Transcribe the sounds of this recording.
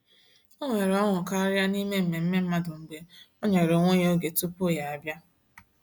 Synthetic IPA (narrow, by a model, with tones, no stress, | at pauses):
o˦ŋʷe˨ɾe˨ɔ˦ŋʷʊ˨ka˦ɾja˦ni˦me˦m̩˨me˨m̩˦me˦m̩˦ma˦dʊ˨ŋ͡m̩˨ɡ͡be˦ɔ˦ɲe˨ɾo˨ŋʷe˦ɲ˦o˦ɡe˨tu˦po˦˨ja˨a˨bja˦